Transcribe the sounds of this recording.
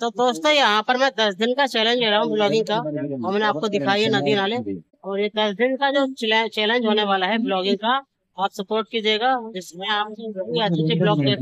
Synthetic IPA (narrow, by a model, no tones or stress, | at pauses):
t̪oːpoːst̪ojɐɦãpɐɾmɛ̃d̪ɐsd̪ɪnkat͡ʃɛːlẽnd͡ʒɦɛːɾaɦũblɔːɡɪ̃ŋɡkaɐmːneaːp̚kod̪ɪkʰaːiɦɛnɐd̪inaːleː | ɔːɾjed̪ɐsd̪ɪnkad͡ʒoːt͡ʃt͡ʃɛːlẽnd͡ʒɦoːneʋaːlaɦɛblɔːɡɪ̃ŋɡka | aːpsɐpoːɾʈ̚kid͡ʒeːɡad͡ʒɪsmẽaːp̚iait͡ʃeblɔːɡke